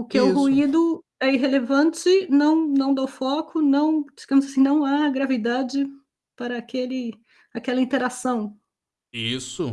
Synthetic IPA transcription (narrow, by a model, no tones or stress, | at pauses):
ʊkeʊɦuid̪ʊ | ɛiɦelevɐ̃nt͡ʃɪnɐ̃w̃nɐ̃w̃d̪ewfɔkʊnɐ̃w̃d͡ʒiɡɐ̃mʊzasĩnɐ̃w̃aɡɾavid̪ad͡ʒɪ | paɾɐːkelɪ | akɛlɐĩt̪eɾasɐ̃w̃ | isʊ